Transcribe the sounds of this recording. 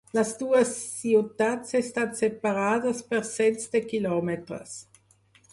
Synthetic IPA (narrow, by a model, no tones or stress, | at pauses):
lasd̪uːəsːiut̪atsest̪asepaɾaːdəspɛɾsɛnt͡sd̪ekilɔmet̪ɾə̰s